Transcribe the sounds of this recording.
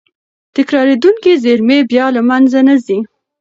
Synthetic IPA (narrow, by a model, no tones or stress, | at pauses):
t̪ɪkɾɑɾed̪uŋkezeɾmebjɑlamanzanazi